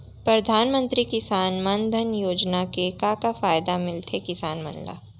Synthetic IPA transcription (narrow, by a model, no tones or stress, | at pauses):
pɾɐd̪ʱaːnmə̃nt̪ɾikɪsaːnmɐnd̪ʱənjoːd͡ʒnakekakafaːjd̪amɪlt̪ʰekɪsaːnmɐ̰̃nla̰ː